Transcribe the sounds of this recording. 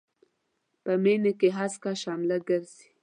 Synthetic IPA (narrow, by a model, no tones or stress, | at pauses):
pəmenekeɦaskaʃamlaɡəɾzi̥